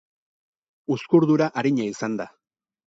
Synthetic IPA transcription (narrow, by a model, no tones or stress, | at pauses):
uskuɾðuɾaʔaɾiɲaisand̪a